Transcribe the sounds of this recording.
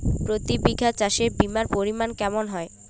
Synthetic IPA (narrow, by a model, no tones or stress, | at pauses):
pɾot̪ibiɡʱat͡ɕaʃeɾbimaɾpoɾimankɛmonɦɔe